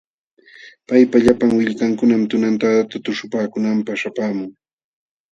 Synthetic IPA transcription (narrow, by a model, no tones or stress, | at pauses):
pajpaʎapaŋwɪʎkaŋkʊnamt̪ʊnant̪aat̪at̪ʊʃʊpaːkʊnampaχʃapaːmʊŋ